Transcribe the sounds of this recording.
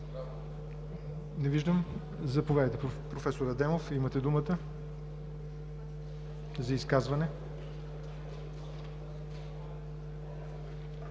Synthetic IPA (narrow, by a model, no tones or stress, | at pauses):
nɛviʒd̪əm | zɐpovʲad̪əjt̪ɛpɾofɛsoɾɐd̪ɛmofimɐt̪ɛd̪umət̪ə | zɐiskazvɐnɛ